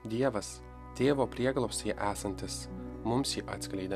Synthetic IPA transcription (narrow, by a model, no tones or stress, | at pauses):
d̪ʲiɛʋɐs | t̪ʲeːʋoːpʲɾʲiɛɡlˠɐpʲsʲiːʔæːsɐnʲt̪ʲɪsmʊmsʲjiːʔɑ̰ːt̪sʲklʲɛɪd̪ʲɛ